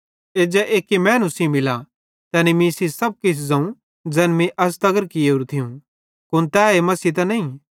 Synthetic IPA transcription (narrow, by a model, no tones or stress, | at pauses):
eːd͡ʒɛʔeːkimɛːnusĩmɪla | t̪ɛːnimĩsisɐb̚kɪsʰzɐ̃ũ | d͡zɛːnmĩʔɐs̬t̪ɐɡəɾkɪeɦʊɾut̪ʰiũ | kʊnt̪ɛːemɐsit̪ɐnɐ̃ĩ